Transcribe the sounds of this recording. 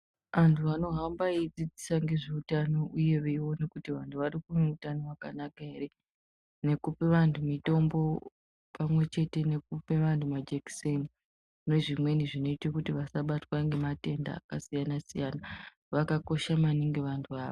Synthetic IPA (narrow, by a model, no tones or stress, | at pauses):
ʋantʰuʋano̞ɦambaid͡zid͡zisaŋɡe̞ʐeutano̞uje̞ʋe̞iwo̞nekutiʋantʰuʋaɾikuneutano̞ʋakanakae̞ɾe̞ | ne̞kupeʋantʰumito̞mbo̞ | pamwe̞t͡ʃe̞te̞ne̞k̚upeʋantʰumad͡ʒekseni | ne̞ʐimwe̞niʐino̞itakutiʋasaɓatwaŋɡe̞mate̞nda̰ːkasijanasijana | ʋakako̞ʃamaniŋɡe̞ʋantʰuaːʋo